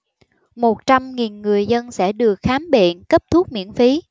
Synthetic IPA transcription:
mo˨˩t̚t͡ɕa˧mŋi˨˩nŋɨ˨˩əjzə˧nsɛ̰˧˥˩ɗɨ˨˩ək̚xaː˨˦mɓḛ˧˨nkə˦˥p̚t̪ʰu˦˥t̚mḭ˧˥ənfi˨˦

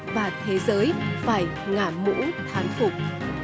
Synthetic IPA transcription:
vaː˨˩t̪ʰe˨˦zəː˨˦jfaː˧˩j | ŋaː˧˩mṵ˧˥t̪ʰaː˨˦nfʊ˨˩k͡p̚

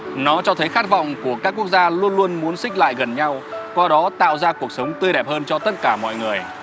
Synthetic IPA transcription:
nɔ˨˦t͡ɕɔ˧t̪ʰə˨˦jxaː˦˥t̚vɔ̰˧˨wŋ͡mku˧˩əkaː˦˥kːu˦˥ək̚zaː˧lu˧ənlu˧ənmu˨˦ənsï˦˥k̟̚la̰ː˧˨jɣə˨˩nɲa˧wkwaː˧ɗɔ˨˦t̪a̰ː˧˨wzaː˧ku˨˩ək̚sə˨˦wŋ͡mt̪wɨ˧jɗɛ˨˩p̚həː˧nt͡ɕɔ˧t̪ə˦˥t̚kaː˧˩mɔ̰˧˨jŋɨ˨˩əj

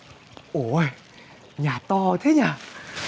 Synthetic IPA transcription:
ʔo˨˩˨j | ɲaː˨˩t̪ɔ˧˨t̪ʰe˨˦ɲaː˨˩

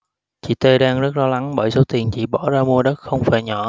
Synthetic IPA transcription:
t͡ɕḭ˧˨t̪e˧ɗaː˧ŋzə˦˥t̚lɔ˨˦la˨˦ŋɓəː˧˩jso˨˦t̪i˨˩ənt͡ɕḭ˧˩ɓɔ˧˩zaː˧mu˧əɗə˦˥t̚xə˧wŋ͡mfaː˧˩jɲɔ˧˩

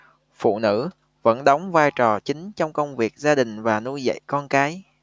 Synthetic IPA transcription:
fṵ˧˨nɨ̰˧˥ | və̰˧˥nɗɔ˨˦wŋ͡mvaː˧jt͡ɕɔ˨˩t͡ɕï˨˦ŋ̟t͡ɕɔ˧wŋ͡mkə˧wŋ͡mvi˨˩ək̚zaː˧ɗï˨˩ŋ̟vaː˨˩nu˧jzə̰˧˨jkɔ˧nkaː˨˦j

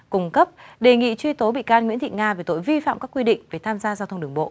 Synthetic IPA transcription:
kʊ˧˩ŋ͡mkə˦˥p̚ɗe˨˩ŋḭ˧˨t͡ɕwi˧t̪o˨˦ɓḭ˧˨kaː˧nŋwi˧˥ənt̪ʰḭ˧˨ŋaː˧ve˨˩t̪o̰˧˨jvi˧fa̰ː˧˨mkaː˦˥kwi˧ɗḭ̈˧˨ŋ̟ve˨˩t̪ʰaː˧mzaː˧zaː˧t̪ʰə˧wŋ͡mɗɨ˨˩əŋɓo̰˧˨ʔ

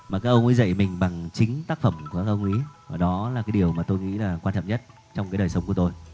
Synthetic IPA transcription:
maː˨˩kaː˦˥k̚ʔə˧wŋ͡mʔi˨˦zə̰˧˨jmï˨˩ŋ̟ɓa˨˩ŋt͡ɕï˨˦ŋ̟t̪aː˦˥k̚fə˧˩mku˨˧˩əkaː˦˥ʔə˧wŋ͡mʔi˨˦˨ɗɔ˨˦laː˨˩kaː˨˦jɗi˨˩əwmaː˨˩t̪o˧jŋḭ˧˥laː˨˩kwaː˧nt͡ɕɔ̰˧˨mɲə˦˥t̚ | t͡ɕɔ˧wŋ͡mkaː˨˦jɗəː˨˩jsə˨˧wŋ͡mku˧˩ət̪o˧j

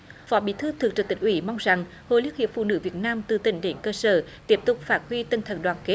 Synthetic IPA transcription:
fɔ˨˦ɓḭ˧˩˦t̪ʰɨ˧t̪ʰɨ˨˩t͡ɕɨ˨˩k̚t̪ï˨˩ŋ̟ʔwḭ˧˩˦ma˧wŋ͡mza˨˩ŋ | ho̰˧˨li˦˥ək̚hḭ˧˨əp̚fṵ˧˨nɨ̰˧˦vi˨˩ət̚naː˧mt̪ɨ˨˩t̪ï˧˩ŋ̟ɗe˨˦nkəː˧səː˧˩t̪i˦˥əp̚t̪ʊ˨˩k͡p̚faː˦˥t̚hwi˧t̪ə˧˩nt̪ʰə˧˩nɗwaː˨˩nke˦˥t̚

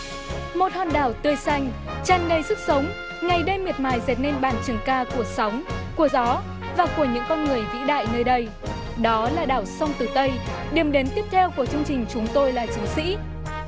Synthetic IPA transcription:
mo˨˩t̚hɔ̰˧˨nɗaː˧˩wt̪ɨ˧əjsa˧jŋ̟ | t͡ɕaː˧˩nnə˧jzɨ˦˥t̚sə˨˦wŋ͡m | ŋa˨˩jɗə˧jmi˨˩ət̚maː˨˩jzɛ˨˩t̚ne˧nɓaː˧˩nt͡ɕɨ˨˩əŋkaː˧ku˧˩əsa˨˦wŋ͡mku˧˩əzɔ˨˦ | vaː˨˩ku˧˩əɲɨ̰˧˥ŋkɔ˧nŋɨ˨˩əjŋḭ˧˥ɗa̰ː˧˨jnəː˧jɗə˧j | ɗɔ˨˦laː˨˩ɗaː˨˧˩wsa˧wŋ͡mt̪ɨ˨˩t̪ə˧j | ɗi˨˩əmɗe˨˦nt̪i˦˥əp̚t̪ʰɛ˧wku˧˩ət͡ɕɨ˧əŋt͡ɕï˨˩ŋ̟t͡ɕʊ˨˦ŋ͡mt̪o˧jlaː˨˩t͡ɕɨ˨˦sḭ˧˥

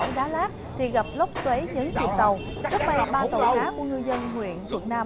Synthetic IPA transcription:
ɗaː˨˦laː˦˥p̚t̪ʰi˨˩ɣa˨˩p̚lə˦˥k͡p̚swe˨˦jɲɨ̰˧˥ŋt͡ɕḭ˨˩əw̚t̪ə˨˩w | t͡ɕə˦˥k̚ma˧˩ɓaː˧t̪o̰˧˨˩jʔaː˨˦ku˧˩əɲɨ˧zə˧nŋwḭ˧˨ənt̪ʰə˨˩k̚naː˧m

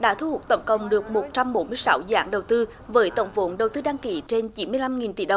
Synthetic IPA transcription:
ɗa̰ː˧˥t̪ʰu˧hu˨˩k͡p̚t̪ə˧˦wŋ͡mkə̰˧˨wŋ͡mɗɨ˨˩ək̚mo˨˩t̚t͡ɕa˧mɓo˨˦nmɨ˧əjsa˨˦wza̰ː˧˩˦ŋɗə˨˩wt̪ɨ˧ | vəː˨˦jt̪ə̰˧˩wŋ͡mvo̰˧˨˦nɗə˨˩wt̪ɨ˧ɗaː˧ŋki˧˩˦t͡ɕe˧nt͡ɕi˨˦nmɨ˧əjla˧mŋi˨˩nt̪ḭ˧˦ɗə˨˩w

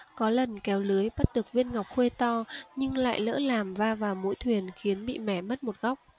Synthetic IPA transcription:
kɔ˨˦lə˨˩nkɛ˨˦wlɨ˨˦əjɓə˦˥t̚ɗɨ˨˩ək̚vi˧ənŋa˨˩wk͡p̚xwe˧t̪ɔ˧ɲɨ˧ŋla̰ː˧˨jlə̰ː˧˥laː˨˩mvaː˧vaː˨˩wmṵ˧˥jt̪ʰwi˨˩ənxi˨˦ənɓḭ˧˨mɛ˧˩mə˦˥t̚mo˨˩t̚ɣa˦˥wk͡p̚

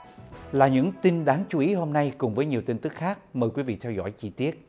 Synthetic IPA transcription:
laː˨˩ɲɨ̰˧˥ŋt̪i˧nɗaː˨˦ŋt͡ɕu˨˦ʔi˨˦ɦo˧mna˧jkʊ˨˩ŋ͡mvəː˨˦jɲi˨˩əwt̪i˧ŋt̪ɨ˦˥k̚xaː˦˥k̚məː˨˩jkwi˨˦vḭ˧˨t̪ʰɛ˧wzɔ̰˧˥jt͡ɕi˧t̪i˦˥ət̚

